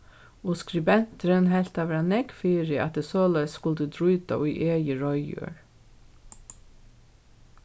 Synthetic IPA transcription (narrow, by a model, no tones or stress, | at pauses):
ʊskɾɪbɛnt̪əɾənhɛlt̪ɑːʋəɾɑnɛɡfiːɾɪʔɑ̰t̪̚d̪eːsoːlɛskʊld̪əd̪ɹʉːd̪a̰ʔiʔeːjəɹɔʏjʉ̰ːɹ